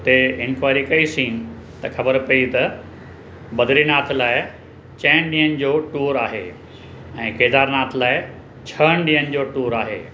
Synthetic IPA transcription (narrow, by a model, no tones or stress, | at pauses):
t̪eɪnkʋaːɪɾikɐisĩːn | t̪ɐxɐbəɾpɐit̪ɐ | bɐd̪ʱɾinaːt̪ʰlaːɪ | t͡ɕɐ̃ːnɗĩːənɪ̆d͡ʑoːʈuːɾaːɦḛː | ɛ̃ːkeːd̪aːɾnaːt̪ʰlaːɪ | t͡ɕʰɐəñɗĩːənɪ̆d͡ʑoːʈuːɾaːɦḛː